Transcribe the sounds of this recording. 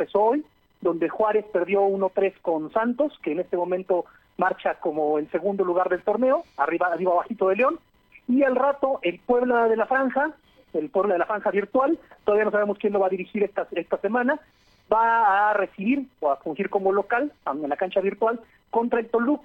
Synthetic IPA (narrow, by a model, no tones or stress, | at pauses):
pesooj | d̪o̞nd̪e̞xwaɾe̞spe̞ɾðjo̞uno̞t̪ɾe̞sko̞nsant̪o̞ske̞ːne̞st̪e̞mõ̞mẽnt̪o̞ | maɾt͡ʃako̞mo̞else̞ɣund̪o̞luɣaɾðe̞lt̪o̞ɾne̞o̞ariβaβiβaβaxit̪o̞ðe̞leo̞n | ialrat̪o̞ʔe̞lpwe̞βlaðe̞lafɾaŋxa | elpwe̞βlaðelafɾaŋxaβiɾt̪walt̪oðaβianosaβemoskjenlo̞βaːðiɾixiɾest̪aest̪ase̞mãna | baːre̞siβiɾoafuŋxiɾko̞mo̞lo̞kalaenlakant͡ʃaβiɾt̪wal | ko̞nt̪ɾae̞lt̪o̞luk